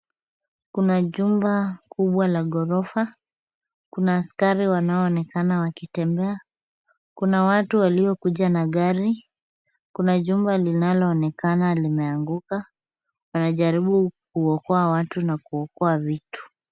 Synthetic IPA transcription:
kunaʄumbakuɓwalaɠɔɾɔfa | kunaːskaɾiwanaɔːnɛkanawakitɛmbɛa | kunawatuwaliɔkuʄanaɠaɾi | kunaʄumbalinalɔːnɛkanalimɛaŋɡuka | wanaʄaɾiɓukuwɔkɔawatunakuɔkɔavitu̥

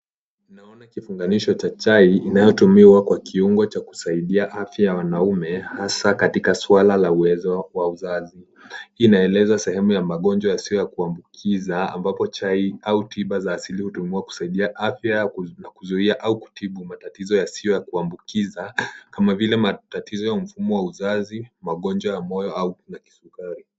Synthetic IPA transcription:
naɔnakifuŋɡaniʃɔt͡ʃat͡ʃaiinajɔtumiwakwakʰiuŋɡɔt͡ʃaku̥saiɗiaʔafjajawanaumɛhasakatikaswalalauwɛzɔwauzazi | inaɛlɛzasɛhɛmujamaɠɔnd͡ʒwajasiɔjakuambukʰizaa̰mbapɔt͡ʃaiautʰiɓazaːsilihutumiwaku̥saiɗiaʔafjanakuzuiaʔauku̥tiɓumatatizɔjasiɔjakuambukizakamavilɛmatatizɔjam̩fumɔwauzazimaɠɔnd͡ʒwajamɔjɔaunaki̥sukaɾi

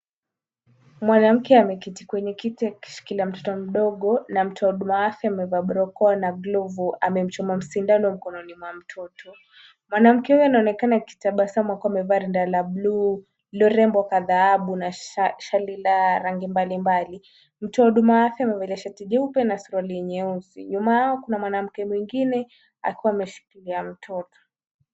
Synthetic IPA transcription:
mwanam̩kɛamɛkiti̥kwɛɲɛkitiaki̥ʃi̥kiliam̩tɔ̥tɔm̩ɗɔɠɔnam̩tɔauɗumaaθjaamɛvaɓɾɔkɔnaɡlɔvuamɛm̩t͡ʃɔmam̩sindanɔm̩kɔnɔnimwam̩tʰɔtʰɔ | mwanam̩kɛhujɔanaɔnɛkanaki̥taɓasamwakɔamɛvaːɾɛndalabluː | lɔɾɛmbɔkaðaaɓunaʃalilaɾaŋɡimbalimbali | m̩tɔɗumaafjamɛvɛlaʃatiʄɛupɛnasuɾwaliɛɲɛuzḭɲumaaɔkunamwanam̩kɛmwiŋɡinɛ | a̰kiwaːmɛʃu̥kiliam̩tʰɔtɔ̥

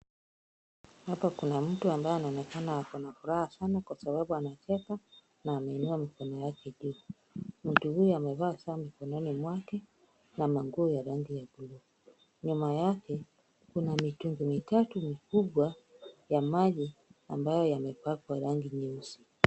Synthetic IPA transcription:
hapakunam̩tuambajɔanaɔnɛkanahakɔnafuɾahasanakwasabaɓuanat͡ʃɛka | naːmɛːnuamikɔnɔjakɛʄuː | m̩tuhujɔamɛvaːsaːmikɔnɔnimwakɛ | namaŋɡuːjaɾaŋɡijabulu | ɲumajakɛ | kunamituŋɡumitatumikuɓwa | jamaʄiambajɔjamɛpakwaɾaŋɡiɲɛusi

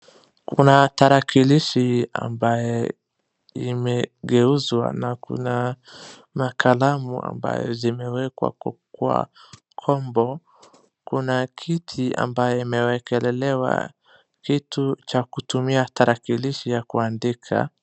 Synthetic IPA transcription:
kunataɾakiliʃia̰mbajɔ | imɛɡɛuzwa̰nakṵna | makʰalamṵa̰mba̰jɔ̰zimɛwɛkwa̰kkua̰ | kʰɔmbɔ | kunakʰitʰia̰mbajɔimɛwɛkɛlɛlɛwa̰ | kitut͡ʃakutumiataɾakiliʃijakuandikʰa̰

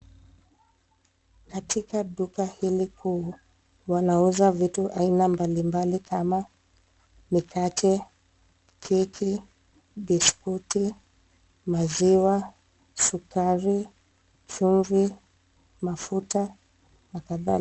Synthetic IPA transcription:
katikaɗukahilikʰuː | wanauzavituʔainambalimbalikʰama | mikat͡ʃɛ | kʰikʰi | ɓiskuti | maziwa | sukaɾi | t͡ʃuɱvi | mafuta | nakaðal

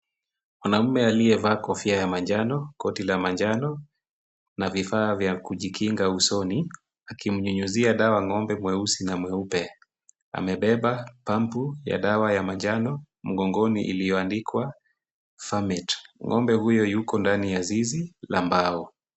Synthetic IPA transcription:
mwanam̩mɛaliɛvaːkɔfiajamaɲd͡ʒanɔkɔtilamaɲd͡ʒanɔ | navifaːvjakuʄikʰiŋɡausɔni | akim̩ɲuɲuziaɗawaŋɔmbɛmwɛusinamwɛupɛ | a̰mɛɓɛɓapampuja̰ɗawajamaɲd͡ʒanɔ | m̩ɠɔŋɡɔnḭʔḭlijɔandikwa | famɛtŋʔɔmbɛhujɔjukɔndanijazizila̰mbaɔ

